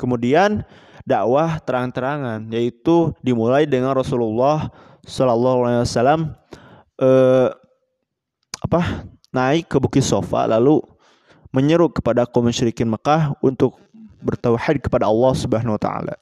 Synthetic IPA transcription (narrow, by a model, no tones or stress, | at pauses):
kəmudian | daʔwaht̪əɾaŋant̪əɾaŋanjait̪udimulaidəŋanrɔsululːɑh | sɔlalːɑɦualaiwasalam | ʔə | apah | naɪkːəbukɪt̪sofa̰lalu | məɲəɾʊkə̥padakomənʃɾikɪnməkahunt̪ʊk̚ | bərt̪awħid̪̚kə̥padaɑlːɑhsubəɦanwat̪a̰a̰la̰